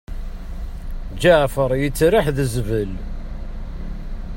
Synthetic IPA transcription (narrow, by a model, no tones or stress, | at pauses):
d͡ʒaʕfəɾˤjət͡sːɾaħðəzvəl